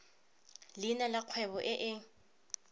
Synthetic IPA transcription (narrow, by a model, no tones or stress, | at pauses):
lɪnalaq͡χʰwɛbɔʔɪʔɪ